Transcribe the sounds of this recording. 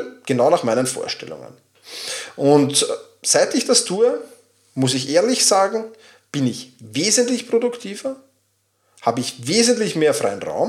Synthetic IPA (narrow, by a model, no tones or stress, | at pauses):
ɡ̥ənaʊnaχmaɪnənfo̰ːɐʃtɛ̰lʊ̰ŋə̰n | ʔʊnt | saɪtɪçd̥astʰuːə | mʊsɪçʔeːɐlɪçsaːɡŋ̩ | b̥ɪnɪçveːzəntlɪçpʁ̥odʊktʰiːv̥ɐ | haːbəɪçveːzəntlɪçmeːɐfʁ̥a̰ɪənʁa̰ʊm